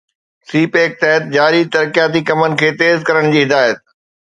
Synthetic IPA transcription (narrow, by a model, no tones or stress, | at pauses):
siːpeːk̚t̪ɛɦət̪̚d͡ʑaːɾit̪ɐɾkijaːt̪ikɐmənɪ̆kʰeːt̪eːzkɐɾəɽ̃d͡ʑiːɦɪd̪aːjət̪̚